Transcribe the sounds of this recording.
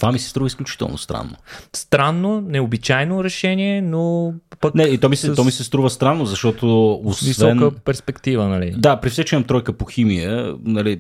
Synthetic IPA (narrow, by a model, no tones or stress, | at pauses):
t̪ovamisɛ̥st̪ɾuvəisklʲut͡ʃi̥t̪ə̰lˠno̰st̪ɾa̰nːo̰st̪ɾanːonɛobit͡ʃajnoɾɛʃɛnʲiɛnopəknɛit̪ɔmisɛɔmisɛst̪ɾuvəst̪ɾanːozɐʃt̪ɔt̪oosvivɛnkəpɛɾspɛkt̪ivənɐlid̪apɾifsɛt͡ʃɛmɐmt̪ɾɔjkəpoximijə̰nɐli